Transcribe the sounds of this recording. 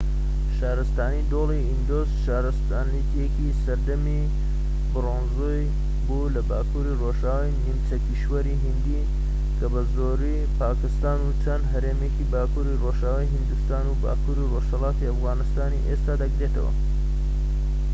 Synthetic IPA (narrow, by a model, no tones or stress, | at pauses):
ʃaːɾɨst̪aːnid̪oːlˠiʔind̪oːzʃaːɾɨst̪aːnit̪ijekisɐɾd̪ɐmi | bɨroːnzuj | bulɐbaːkuɾiroʃaːwajnimt͡sɐkiʃwɐɾiɦind̪i | kʰɐbɐzoɾi | paːkɨst̪aːnut͡ʃʰɐnd̪ɦɐɾeːmekibaːkuɾiroʃaːwajɦɨnd̪ust̪aːnuba̰ːkuːɾiroʃhɐlˠɑːt̪iɐfɣaːnɨst̪aːnḭʔest̪aːd̪ɐɡɾe̞t̪ɐ̰wɐ̰